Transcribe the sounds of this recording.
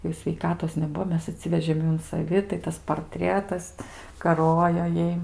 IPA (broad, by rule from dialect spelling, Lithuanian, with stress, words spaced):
jɛʊ sʲʋʲɛɪˈkɑːtoːs nʲɛˈbuɔ ˈmʲɛs ɐˈtʲsʲɪʋʲɛʒʲeːm ˈjuː ʊn sɐˈʋʲɪ tɐɪ ˈtɐs pɐrʲˈtʲrʲiɛtɐs kɐˈroːjoː ˈjɛɪ